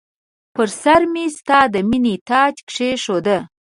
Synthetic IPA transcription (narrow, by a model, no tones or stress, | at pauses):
pəɾsaɾmist̪ɑd̪əminet̪ɑd͡ʒkʂeʂod̪ə